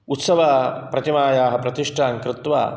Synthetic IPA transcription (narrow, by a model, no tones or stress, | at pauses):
ut̪sɐʋaːpɾɐt̪imaːjaːɦɐ̆pɾɐt̪iʂʈʰaːŋkɾɪt̪ʋa̰ː